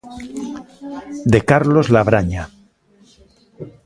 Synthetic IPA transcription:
d̪e̞kaɾlozlaβɾaɲa

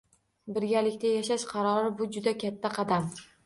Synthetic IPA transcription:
bɪɾɡʲalɪkʲt̪ajaʃaʃqʰɑɾɒɾɪbʊd͡ʒʊd̪akʲʰat̪ʰːaqʰɑd̪am

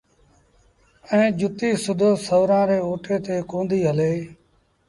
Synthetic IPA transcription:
ɛ̃ːd͡ʒʊt̪iːsʊd̪ʱoːsəʋɾãːɾeːoːʈʰeːt̪eːkõːnd̪iːɦəleː

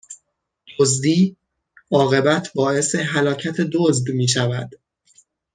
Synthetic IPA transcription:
d̪̥ozd̪iː | ɒːɣe̞bæt̪ʰbɒːe̞se̞ɦælɒːcʰæt̪ʰe̞d̪ozd̪miːʃ̬ævæ̰d̪̥

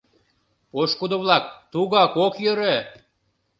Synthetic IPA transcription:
poʃkud̪ŏβlɑkt̪uɣɑkokjəɾe

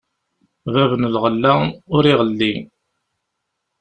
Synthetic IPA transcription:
vævənəlʁəlːæʊɾiʁəlːi

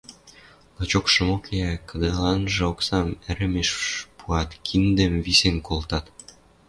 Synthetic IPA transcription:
lˠɤt͡ɕokʃɤ̆mokʰeækɤ̆d̪ɤ̆lɑnʒĕoksɑmɘ̆ɾə̆meʃpuɑt̪kʰind̪ə̆mβisenkolt̪ɑt̪

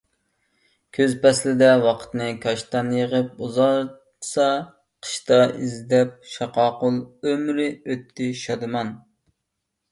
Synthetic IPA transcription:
kʲʰøzpɛslɪd̪ɛwɑqʰə̥t̪nɨkʰɑʃt̪ɑnjəʁəp̚uzɑ̥ | sɑ | qʰə̥ʃt̪ɑizd̪ɛp̚ʃɑqɑːqʊlˠømɾɪøt̪ʰːɪʃɑd̪ɨmɑn

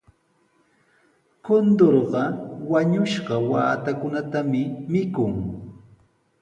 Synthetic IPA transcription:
kond̪oɾɢɑwaɲʊʃɢɑwa̰ːt̪akʊnat̪amɪmɪkʊŋ

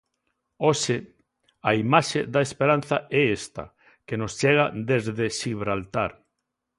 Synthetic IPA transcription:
oʃe | aimaʃeðaespeɾan̟θaɛest̪ɐ̰ | kenost͡ʃeɣ̞ad̪ezðeʃiβɾalt̪aɾ

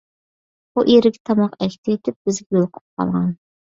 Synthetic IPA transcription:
buʔeɾɪɡʲɛ̥t̪ʰɑmɑqɛkʲt̪ʰɪet̪ʰɪp̚bɪzɡʲɛjolˠqʰʊ̥p̚qʰɑ̰lˠʁɑn

